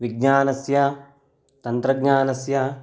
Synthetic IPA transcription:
ʋiɡ̚ɲaːnɐsjɐ | t̪ɐnt̪ɾɐɡɲaːnɐsjɐ

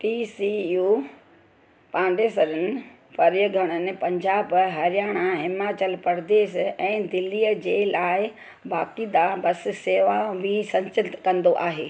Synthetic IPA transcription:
ʈiːsijuː | pãːnɖ̪eːsɐɾənɪ̆ | pɐɾjəɡʱɐɽ̃ənɪ̆pɐ̃ɲd͡ʑaːbɦɐɾjaːɽ̃aɦɪmaːt͡ɕəlpɐɾd̪eːʃɛ̃ːd̪ɪlːiːjəd͡ʑeːlaːɪ | baːkid̪abɐs̆seːʋabɪsɐ̃ɲt͡ɕɪt̪kɐ̃nd̪oʔaːɦeː

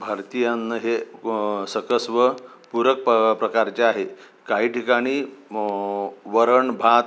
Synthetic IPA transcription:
bʱaɾt̪ijanːəɦe | səkəsʋə | puɾək̚pəpɾəkaɾt͡ɕeaɦe | kaɦiːʈikaɽ̃iː | ʋəɾəɳbʱat̪

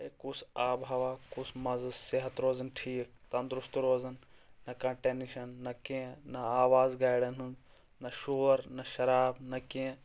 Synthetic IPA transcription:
ekuːsaːbʱɐʋaːkuːsmɐzɐseɦɐt̪ɾoːzɐnʈʰiːk̚t̪ɐ̃nd̪ɾʊst̪ɾoːzɐnːɐkɐ̃ɳʈenʃɐnːɐkẽnɐaːʋaːzɡaːjɽɐnɦund | nɐʃoːɾnɐʃɐɾaːbnɐkiẽ

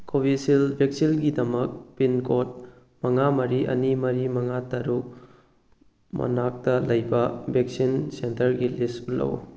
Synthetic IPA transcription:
kobisilbʱeksilɡidɐmɐk̚pinkot̚ | mɐŋamɐɾiʔɐ̰nimɐɾimɐŋatɐɾuk̚ | mʔɐ̰nak̚tɐlɐjbɐbʱek̚sinsentɐɾɡilisulɐ̰w

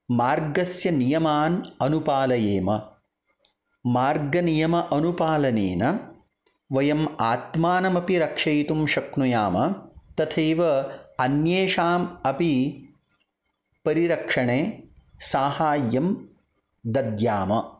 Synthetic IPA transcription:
maːɾɡɐsjɐnijɐmaːnɐnupaːlɐjeːmɐ | maːɾɡɐnijɐmɐʔɐnupaːlɐnḛːnɐ | ʋɐjɐmaːt̪maːnɐmɐpiɾɐkʂɐjt̪umʃɐknujaːmɐt̪ɐt̪ʰejʋɐɐnjeːʂaːmɐpi | pɐɾiɾɐkʂɐɳeːsaːɦaːjːɐm | d̪ɐd̪jaːmɐ

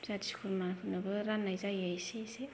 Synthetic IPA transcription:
zati̥si̥kʰuɾmankʰɯnabɯɾanːajzajajsese

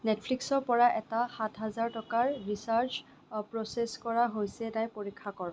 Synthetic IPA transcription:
netʰpʰliksɔɹpɔɹaʔɛtaxatʰɦazaɹtɔkaɹɹisaɹt͡ʃ | pɹɔseskɔɹaɦojsɛnajpoɹikʰːakɔɹɔ̃

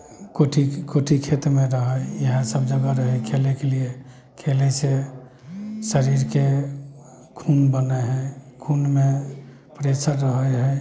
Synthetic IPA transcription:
koʈʰikoʈʰikʰet̪ɾmeɾəɦəjəɦə̃səbd͡ʒəɡaɾəɦɛkʰelekelie | kʰelɛse | səɾiɾke | kʰunbəneɦɛkʰunme | pɾesəɾːəɦəɦɛ

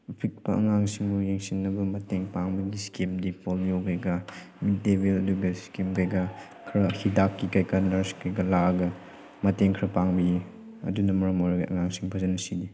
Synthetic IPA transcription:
pʰit̚pɐʔɐ̰ŋaŋsiŋbujeŋsinːɐbɐmɐteŋpaŋbɐɡiskimdipoljokʰɐjɡɐ | mit̚debilɐduɡɐskimkajɡɐ | kʰɾɐhidakːikajkɐnɐɾskʰɐjɡɐlaɡɐ | mɐteŋkʰɾɐpaŋbi | ɐ̰dunɐmɐɾɐmojɾɐɡɐʔɐ̰ŋaŋsiŋpʰɐzɐnɐsidi

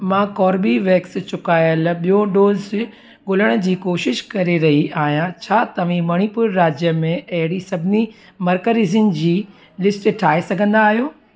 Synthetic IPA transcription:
mãːkɔːɾbiʋeːkst͡ɕʊkaːjəlɓijoɖoːz | ɠʊləɽ̃ə̆d͡ʑiːkoːʃɪʃkɐɾeɾɐɦiʔaːɦjãt͡ɕʰaːt̪ɐʋ̤ĩmɐɽ̃ipʊɾːaːd͡ʑjəmẽɐɦɪɽisɐbʱɪni | mɐɾkəɾizɪnd͡ʑiː | lɪsʈʈʰaːɦesɐɡʱə̃nd̪aːɦijoː

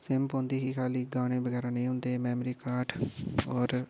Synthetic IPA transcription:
sɪmpõːnd̪iːɦiːkʰaːliːɡaːɽ̃ẽːbəɡɛːɾaːnẽːʊnd̪eːmɛːmɾiːkaːɾʈʰɔːɾ

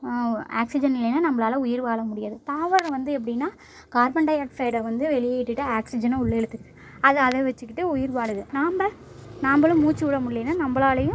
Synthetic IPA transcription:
a̰ːksɪd͡ʒɐnɪlːɐjnːanɐmːɐɭaːlɐʊjɪɾʋaːɭɐmʊɽɪjaːðɯt̪aːʋɐɾʋɐnd̪ɯɛp̬ːɐɽɪnːaː | kaːɾbɐɳɖɐjɐʈfɐɪʈɐʋɐnd̪ɯʋɛɭɪjeɪʈːɯʈːɯaːksɪd͡ʒɐnɐʊɭːɛɽɯt̪ːɯkːɯ̥ | ɐðɯɐðɐʋɛt͡ʃːɯkːɪʈːɯʊjɪɾʋaːɽɯðɯnaːmbɐ | naːmbɐɭɯ̃muːt͡ʃːɯʊɽɐmʊɽɪlɐnːanɐmbɐɭaːlɐjɯ̃

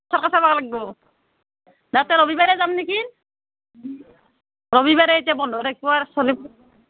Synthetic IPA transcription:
saɾkasabaɡalaɡibɔ | datɛɾɔbibaɾɛzannikin | ɾɔbibaɾɛetijabɔnd̪ʱɔɾakɔwasɔlip̚

